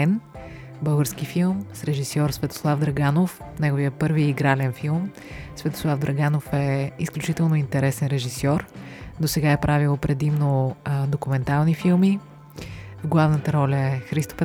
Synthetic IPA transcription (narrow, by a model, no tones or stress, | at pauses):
ɛn | bɤlˠɡəɾskifilˠmsɾɛʒisɔɾsvɛt̪o̥slˠavd̪ɾɐɡanof | nɛɡoviəpɤɾviiɡɾalɛnfilˠm | svɛt̪o̥slˠavd̪ɾɐɡanofɛisklʲut͡ʃit̪ɛlˠnoint̪ɛɾɛsɛnɾɛʒisɔɾd̪osɛɡaɛpɾʔavilˠpɾɛd̪imnod̪okumɛnt̪alˠnifilˠmi | vɡlˠavnət̪əɾɔlʲəɛxɾist̪o̥pɛ